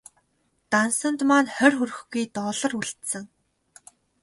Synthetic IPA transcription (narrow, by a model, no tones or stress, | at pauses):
t̪ansə̆nt̪maːnχœrʲxurɘ̆xɡujt̪ɔːɮɞ̆ruɮt̪sə̆ŋ